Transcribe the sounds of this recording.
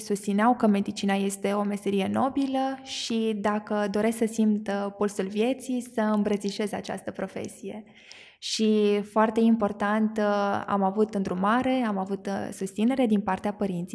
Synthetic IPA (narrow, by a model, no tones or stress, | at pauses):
sust̪sineawkəme̞d̪it͡ʃinaje̞st̪e̞o̞me̞se̞ɾije̞no̞biləʃid̪akəd̪o̞ɾe̞sksəsimt̪polsulvje̞t̪sijsəɨmbɾət̪siʃe̞za̰t͡ʃa̰st̪əpɾo̞fe̞̰sije̞̰ | ʃifoart̪e̞impo̞rt̪ant̪a̰mavut̪ɨnd̪ɾumaɾe̞amavut̪sust̪sine̞ɾe̞d̪inpart̪eapəɾint̪sij